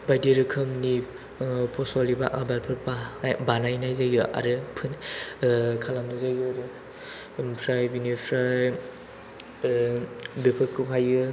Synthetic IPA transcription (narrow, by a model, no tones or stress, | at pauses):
bajdiɾɯkʰɯmni | pʰɔsɔliba̰ʔabalpʰɯɾbabanajnajzajɡɯʔa̰ɾɯpʰɯn | kʰalamnɯzajɯɾɯ | pʰɾajbinipʰɾaj | bepʰɯkʰɯpʰajɯ